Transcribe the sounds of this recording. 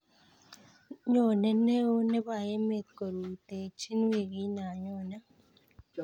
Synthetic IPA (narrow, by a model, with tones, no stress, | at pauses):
ɲɔ˦˨ne˦ne˦o˦ne˦ba˨je˦me˨ko˨ɾu˨te˨t͡ʃi˦n˦we˦˨ɡi˦na˨ɲɔ˦˨na˦